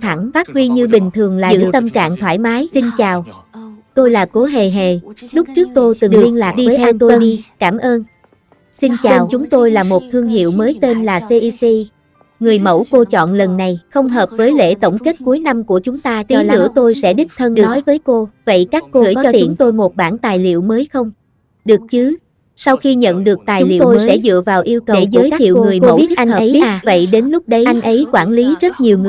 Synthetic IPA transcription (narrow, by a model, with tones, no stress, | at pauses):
t̪ʰa˧˩ŋfaː˦˥t̚vwi˧ɲɨ˧ɓï˨˩ŋ̟t̪ʰɨ˨˩əŋla̰ː˧˨zɨ̰˧ɨ˥˩t̪ə˧mt͡ɕa̰ː˧˨ŋt̪ʰwaː˧˩jmaː˨˦jsi˧nt͡ɕaː˨˩wt̪o˧jlaː˨˩ko˨˦ɦe˨˩ɦe˨˩lʊ˦˥k͡p̚t͡ɕɨ˦˥ək̚t̪o˧jt̪ɨ˨˩ɨ˨˩li˧ənlaː˨˩k̚ɗi˧vəː˨˦jʰa˧t̪o˧i˧kaː˧˩mʔəː˧n | si˧nt͡ɕaː˨˧˩nwt͡ɕʊ˨˦ŋ͡mt̪o˧jlaː˨˩mo˨˩t̚t̪ʰɨ˧əŋɦḭ˧˨əwməː˨˦jt̪e˧nlaː˨˩se˧ʔi˧si˧ | ŋɨ˨˩əjmə̰˧˥˩wko˧t͡ɕɔ̰˧˨nlə˨˩nːa˨˩jxə˧wŋ͡mɦəː˨˩p̚vəː˨˦jlḛ˧˥˩t̪o˧˩wŋ͡mke˦˥t̚ku˨˦əjna˧mku˧˩ət͡ɕʊ˨˦ŋ͡mt̪aː˧i˨˦˧ɨ̰˧˩ət̪o˧jsɛ̰˧˥ɗï˦˥k̚t̪ʰə˧nɗɨ˨˩ɔ˨˦jvəː˨˦jko˧və̰˧˨jkaː˦˥kːo˧ɨ̰˧˩˨t͡ɕɔ˧i˧t͡ɕʊ˩˦ŋ͡mt̪o˧jmo˨˩t̚ɓaː˧˩nt̪aː˨˩jlḭ˧˨əwməː˨˦jxə˧wŋ͡m | ɗɨ˨˩ək̚t͡ɕɨ˨˦ | sa˧wxi˧ɲə̰˧˨nɗɨ˨˩ək̚t̪aː˨˩˨jlḭ˧˨t̪wo˧jsɛ̰˧˥zɨ̰˧˨əvaː˨˩wʔi˧əwkə˨e˩˧˩zəː˨˦jkaː˦ḭ˧˨wŋɨ˨˩əjə˧˨v̚ʔa˧ŋː˨˦˧və̰˧˨jɗe˨˦nlʊ˦˥k͡p̚ɗə˨˦jʔa˧jŋ̟ʔə˨˦jkwaː˧˩nli˨˦zə˦˥t̚ɲi˨˩əwŋɨ˨˩